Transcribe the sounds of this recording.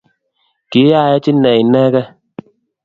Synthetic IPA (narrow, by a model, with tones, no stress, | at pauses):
ki˨˦a˦˨jɛ˦t͡ʃi˦nɛ˨i˨nɛ˦kɛ˦